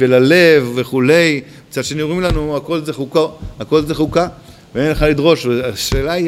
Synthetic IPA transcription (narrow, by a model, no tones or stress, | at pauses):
velale̞vːe̞χule̞j | t͡sadʃenioʁimlanuako̞lzeχukoako̞lzeχuka | veanileχalidʁo̞ʃveaʃeːlai